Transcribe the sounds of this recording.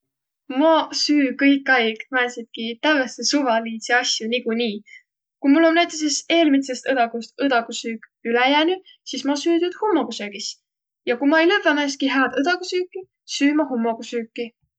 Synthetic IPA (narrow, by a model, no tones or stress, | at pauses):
mɑsyːkɤjkːˑɑjɡ̥mæesid̪̥̚kit̪æesesuvɑliːseɑsʲjunikuniː | kumulːo̞nnæjt̪ːˑesese̞ːlmit̪se̞st̪ɤd̪ɑkust̪ɤd̪ɑkusyːk | ylæjæːni | sismɑsyːd̪ud̪̥humːokusøːɡ̥is | jɑkumɑejlevːemæːskiɦæːd̪ɤd̪̥ɑkusyːkːˑi | syːmɑɦumːoɡusyːkˑːi